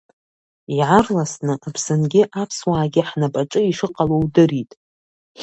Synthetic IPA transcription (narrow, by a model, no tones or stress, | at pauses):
iʕarlasnɨʔapʰsɨnɡʲɪʔapʰswaːɡʲɪħnapʼaʈ͡ʂʼɨiʂɨqʼalowdɨritʼ